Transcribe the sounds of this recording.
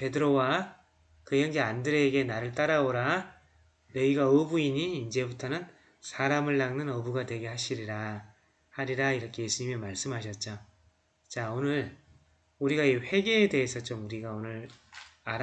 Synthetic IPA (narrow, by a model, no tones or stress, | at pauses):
pe̞dɯɾowa | kɯjʌŋd͡ʑeandɯɾeɡe̞naɾɯɭt͈aɾaoɾa | neiɡaʌbuiɲiːnd͡ʑe̞butʰʌnɯn | sʰaɾamɯɭːaŋnɯnʌbuɡatwe̞ɡe̞ɦaɕʰiɾiɾa | haɾiɾaiɾʌkʰe̞jesʰuɲimʌmaɭs͈ɯmɦaɕ̬ʰʌt̚t͡ɕ͈o | t͡ɕaonɯɭ | uɾiɡaiɸwe̞ɡeːde̞ɦesʰʌt͡ɕ͈omuɾiɡaonɯɾaɾ